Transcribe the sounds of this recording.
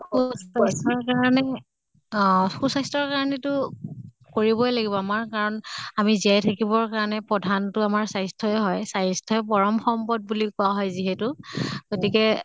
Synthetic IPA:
kusɔstʰɔɹkaɹanɛ | ɔ̃usajstɔɹkaɹɔnɛtʊ | koɹibɔjlaɡibɔamaɹkaɹɔnamiziajtʰakibɔɹkaɹanɛpɹɔdʱantʊamaɹsajstʰɔɛɦɔjsajstʰɔɛpɔɹɔmxɔmpɔd̚bulikɔwaɦɔjziɦɛtʊɡotikɛ

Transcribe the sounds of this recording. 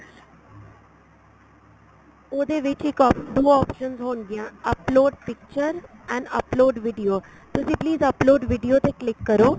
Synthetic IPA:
oːd̪eʋɪt͡ʃɪkɔːd̪oɔːpʃənzɦoːnɡijãɐploːɖpɪk̚t͡ʃəɾɛ̃ɳɖɐploːɖʋɪɖijoː | t̪ʊsĩpliːzɐploːɖʋɪɖijot̪eklɪkːɐɾoː

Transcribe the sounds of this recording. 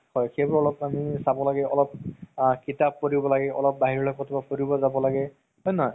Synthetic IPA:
hɔjxejbɔɹɔlɔpamisabɔlaɡɛɔ̰lɔp̚kitab̚koɹibɔlaɡɛɔ̰lɔp̚baɦiɹɔlɔkɔtʰibapoɹibɔzabɔlaɡɛ | hɔjnɔɔj

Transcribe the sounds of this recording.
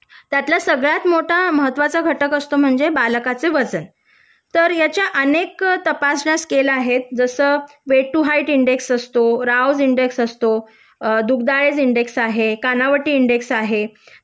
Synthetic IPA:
t̪jat̪lasəɡɭjat̪moʈʰaməɦət̪ːʋat͡saɡʱəʈəkəst̪om̤əɳd͡zebalkat͡seʋəd͡zən | t̪əɾjat͡ɕjaʔənekt̪əpasɳaskelaɦet̪̚d͡zəsəː | ʋeʈːuɦaiʈiɳɖeksəst̪oɾawd͡ziɳɖeksəst̪o | d̪uɡd̪aɭed͡ziɳɖeksaɦekanaʋəʈiːiɳɖeksaɦe

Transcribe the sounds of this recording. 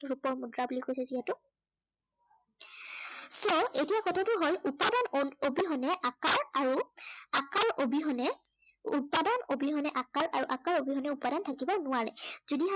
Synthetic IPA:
ɹupɔɹmudɹabulikojsɛzijatʊ | soetijakʰɔtʰɔtʊɦolupadannobiɦɔnɛʔakaɹaɹuakaɹobiɦɔnɛ | upadanobiɦɔnɛʔakaɹa̰ɹuʔakaɹobiɦɔnɛupadantʰakibɔnʊwaɹɛzodiɦa

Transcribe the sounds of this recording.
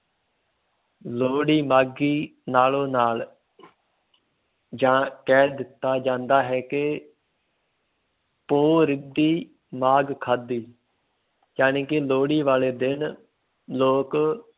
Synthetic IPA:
loːɽiːmaːɡiːnaːlõːnaːl | d͡ʒãːkɛːd̪ɪt̪ːaːd͡ʒãːnd̪aːɦɛːkɪ | poːɾɪd̪iː | maːɡkʰaːd̪iː | jaːneːkɪloːɽiːʋaːleːd̪ɪn | loːk

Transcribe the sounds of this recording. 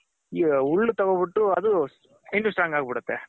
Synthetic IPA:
iːɡɐuɭːut̪ɐɡobiʈːuɐd̪u | enːusʈɾaːŋɡaːɡbiɽut̪ːe

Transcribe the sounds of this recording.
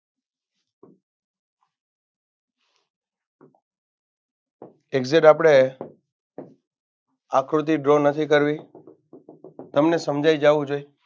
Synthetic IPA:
eɡziʈapɽ̃e | akɾut̪̬iɖɾonət̪ʰikəɾʋi | t̪əmnesəmd͡ʒʱaid͡ʒaʋũd͡ʒoj

